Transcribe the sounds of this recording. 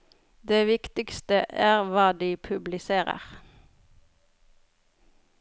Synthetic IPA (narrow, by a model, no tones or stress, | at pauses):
d̪eːʋɪkt̪ɪkst̪əʔæːʁʋɑːd̪iːpʰʉblɪseːʁə̰ʁ